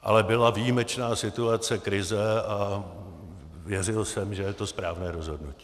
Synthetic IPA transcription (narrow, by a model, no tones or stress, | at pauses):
ʔa̰lɛbɪlavijimɛt͡ʃnaːsɪt̪uat͡sɛkɾɪzɛa | vjɛrɪlsɛmʒɛjɛt̪o̞spɾaːvnɛːɾo̞zɦo̞dnuci̥ː